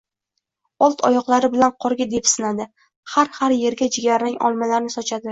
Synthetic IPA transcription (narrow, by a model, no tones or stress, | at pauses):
ɒlˠt̪ʰɒjɒqlˠaɾɪbɪlanqʰɒɾɡʲad̪e̞psɪnad̪ɪ | haɾhaɾje̞ɾɡʲad͡ʒɪɡʲaɾaŋɒ̰lˠmalaɾnɪsɒt͡ʃʰad̪ɪ